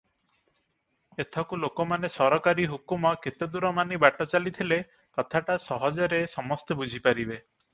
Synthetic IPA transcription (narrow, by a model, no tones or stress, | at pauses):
et̪ʰɔkulokɔmanesɔɾɔkaɾiɦukumɔket̪ed̪uɾɔmanibaʈɔt͡ʃalit̪ʰile | kɔt̪ʰaʈasɔɦɔd͡ʒɔɾesɔmɔst̪ebud͡ʒʱipaɾibe